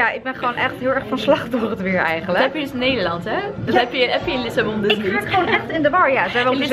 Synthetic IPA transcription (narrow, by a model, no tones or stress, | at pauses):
jaɪɡ̚bɛnχʋoːnʔɛχtɦɪlˠɛɹχfɑnslɑχtɔχtʋɪɹɛ̰jχənləɛpjədʏsnejdəlɑntɛɛpjəɛpjəjəlɪsabɔndəsniaχonɛχtɪndəbɑɹjasʋɛʋɔs